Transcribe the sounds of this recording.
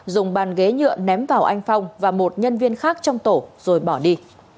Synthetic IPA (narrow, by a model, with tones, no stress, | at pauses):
zʊ˨˩ŋ͡mɓaː˨˩nɣe˨˦ɲɨ̰˧˨əŋnɛ˨˦mvaː˨˩wʔa˧jŋ̟fɔ˧wŋ͡mvaː˨˩mo˨˩t̚ɲə˧nvi˧ənxaː˦˥k̚t͡ɕɔ˧wŋ͡mt̪o˧˩z̥o˨˩jɓɔ˧˩ɗi˧